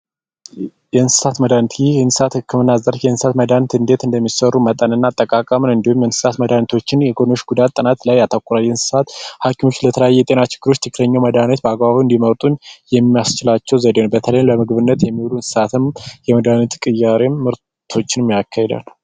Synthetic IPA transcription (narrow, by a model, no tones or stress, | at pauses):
jɛɨnsɨ̥sat̪məd̪ant̪ʰijɛnsɨ̥sat̪hɨkʰːɨmɨnːazəɾfjɛnsɨsat̪məd̪ant̪ɨnd̪e̞t̪ɨnd̪əmːisərumət̪ʼːənɨnːaːt̪ʼːəkʼakʼəmnɨnd̪ihumjɛnsɨ̥sat̪məd̪ant̪ʰo̞t͡ʃːɪnjɛɡono̞ʃɡud̪at̪ʼːɨnat̪lajat̪ʰəkʷʼːuɾaljɛnsɨ̥sat̪hakʰimo̞t͡ʃːlət̪ʰələjajːɛjɛt̪ʼe̞nat͡ʃɪ̥ɡ̥ːɨɾo̞t͡ʃːt̪ʰɨkʰːɨləɲːawməd̪anət̪̚bəaɡbaβiɨnd̪iməɾt̪ʼunjɛmːijast͡ʃɪlat͡ʃːɛwzəd̪ewnbət̪ʰələjləmɨɡβɨnːət̪jɛmːiwulunsɨ̥sat̪ʰɨmjɛməd̪anət̪kʼɨjːaɾemːɨɾ | t̪ʰo̞t͡ʃːɪnmjakʰːahed̪a̰l